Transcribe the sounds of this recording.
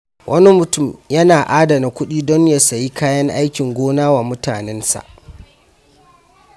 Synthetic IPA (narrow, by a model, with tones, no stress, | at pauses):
wʔɐ˦ni˦mʊ˨tʊ˦˨mjɐ˦naː˨ʔaː˦da˨na˨kʷʊ˦ɗiː˦dɔ˦ɲja˦˨sa˨ji˦kaː˦jɐ˦ŋʔa˦jkʲɪ˨ŋɡʷoː˦naː˦waː˨mʊ˦taː˨nɛ˦nsa̰˨ʔ